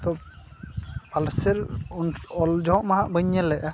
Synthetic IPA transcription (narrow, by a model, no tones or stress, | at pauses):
t̪ɔ | balsɛɾnɔld͡ʒɔ̃ɔ̃ʔmaɦaʔbəɲːɛlɛʔa